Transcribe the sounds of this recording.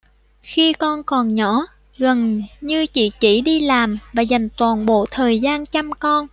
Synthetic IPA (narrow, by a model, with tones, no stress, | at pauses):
xi˧kɔ˧nkɔ˨˩nɲɔ˧˥˦ | ɣə˨˩nɲɨ˧t͡ɕḭ˧˨t͡ɕḭ˧˩˨ɗi˧laː˨˩mvaː˨˩za˨˩jŋ̟t̪waː˨˩nɓo̰˧˨t̪ʰəː˨˩jzaː˧nt͡ɕa˧mkɔ˧n